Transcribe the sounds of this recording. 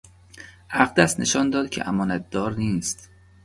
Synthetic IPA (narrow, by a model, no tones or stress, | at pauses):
ʔæɣd̪æsnʔeʃɒːnd̪ɒːd̪cʲʰeʔæmɒːnæt̪̚d̪ɒːɾniːst̪